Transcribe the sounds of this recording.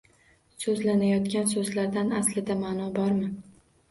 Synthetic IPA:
sɵzlanajɒt̪kʲansɵzlaɾd̪anaslɪd̪amaːnɒbɒɾmɪ

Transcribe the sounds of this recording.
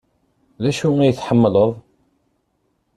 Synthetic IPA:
ðæʃuæjəθħəmːələðˤ

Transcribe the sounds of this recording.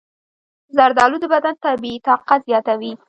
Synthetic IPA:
zaɾd̪ɑlud̪əbad̪ant̪abit̪ɑqazjɑt̪awi

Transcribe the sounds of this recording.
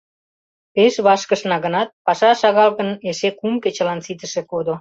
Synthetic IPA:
peʃβɑʃkəʃnɑɣənɑt̪̚pɑʃɑʃɑɣɑlɣəneʃekumket͡ɕə̆lɑnsit̪əʃĕkod̪o

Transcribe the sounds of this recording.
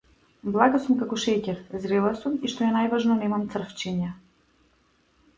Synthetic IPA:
blˠaɡasumkakɔʃɛcɛɾzɾɛlˠasumiʃt̪ɔjanajvaʒnɔnɛmamt̪sr̩ft͡ʃiɲa

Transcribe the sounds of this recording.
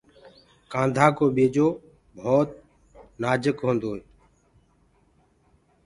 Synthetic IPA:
kãːnd̪ʱaːkoːɓeːd͡ʒoː | bʱoːt̪̚ | naːd͡ʒəkɦõːnd̪oːe

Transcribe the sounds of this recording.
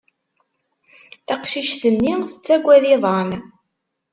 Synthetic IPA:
θæqʃiʃθənːiθət͡sːæɡʷːæðiðˤɑn

